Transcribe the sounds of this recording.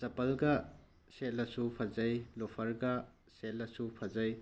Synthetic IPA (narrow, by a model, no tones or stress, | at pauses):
sɐpɐlɡɐ | selɐsupʰɐzɐjlopʰɐɾɡɐ | selɐsupʰɐzɐj